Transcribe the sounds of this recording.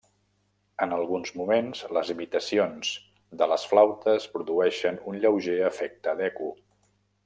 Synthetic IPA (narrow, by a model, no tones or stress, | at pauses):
ənəlˠɣunzmumenz̥ləzimit̪əsionz̥ | d̪ələsflawt̪əspɾuðuɛʃənunʎəwʒeəfɛk̚t̪əd̪ɛku